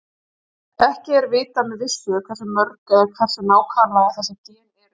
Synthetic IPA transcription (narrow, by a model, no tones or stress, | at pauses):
ɛhcɪɛɾvɪːt̪amɛðvɪsːʏkʰvɛr̥sʏmœɾkɛkʰvɛr̥sʏnaːwkʰaːnlaɣaθɛsːac̪ɛːnɪɾ